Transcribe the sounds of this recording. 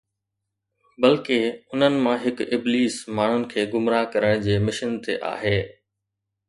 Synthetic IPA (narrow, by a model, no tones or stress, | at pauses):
bɐlkɪʊn̤ənɪ̆mãɦɪkɪbliːsmaːɳ̤ʊnɪ̆kʰeːɡʊmɾaːkɐɾəɽ̃d͡ʑeːmɪʃənt̪ḛʔa̰ːɦeː